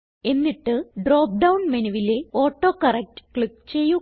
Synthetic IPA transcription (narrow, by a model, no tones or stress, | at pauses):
e̞nːiʈːɨɖroːp̚ɖɐwnmenɐʋile̞o̞ːʈːo̞ːkɐrek̚tɨ̥kɭikːt͡ɕe̞jːu